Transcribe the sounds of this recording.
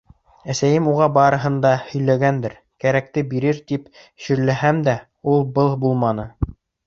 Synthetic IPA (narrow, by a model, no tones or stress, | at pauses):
æsæjɘmuʁɑbɑɾɤ̆ɦɤ̆nd̪ɑhɵ̆jlæɡænd̪ɘɾ | kæɾæk̚t̪ɘbiɾɘɾt̪ip | ɕɵ̆ɾlæɦæmd̪æ | ulˠbɤlˠbulˠmɑnɤ